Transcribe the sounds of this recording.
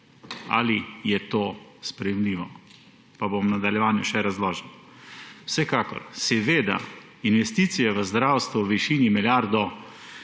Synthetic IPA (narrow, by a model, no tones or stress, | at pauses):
a̰lijɛt̪oːspɾɛjɛmliːʋɔ | pabomnad̪aljɛʋaːnjuʃɛɾazlɔːʒɛn | wsɛkaːkɔ̰ɾsɛʋeːd̪a̰ | inʋɛst̪iːt̪sijɛʋəzd̪ɾawst̪ʋuwʋiʃiːnimiljaːɾd̪ɔ